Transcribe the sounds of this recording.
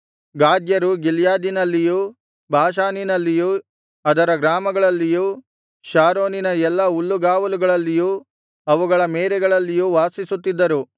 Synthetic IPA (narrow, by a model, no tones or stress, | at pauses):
ɡaːd̪jɐɾuɡiljaːd̪inɐlːijuː | bʱaːʃ̬aːninɐlːijuː | ɐd̪ɐɾɐɡɾaːmɐɡɐɭɐlːijuː | ʃaːɾoːninɐɛlːɐulːuɡaːʋɐluɡɐɭɐlːijuː | ɐʋuɡɐɭɐmeːɾɛɡɐɭɐlːijuːʋaːsisut̪ːid̪ːɐɾu